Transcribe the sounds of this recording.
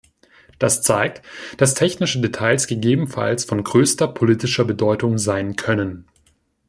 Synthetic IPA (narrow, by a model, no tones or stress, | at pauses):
d̥ast͡saɪk̚td̥astʰɛçnɪʃədetʰaɪlsɡ̥əɡeːbm̩fa̰lsfɔnɡʁøːstɐpʰoliːtɪʃɐbədɔʏtʊŋzaɪnkʰœnən